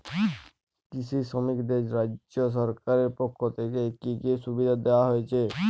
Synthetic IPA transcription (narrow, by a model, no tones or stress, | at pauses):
kit͡ʃʰisɔmikd̪ed͡ʒɾad͡ʒd͡ʒjos̬ɔɾkaɾeɾpɔkʰːot̪ʰekekikesubid̪ʱad̪ewaɦoet͡ʃʰe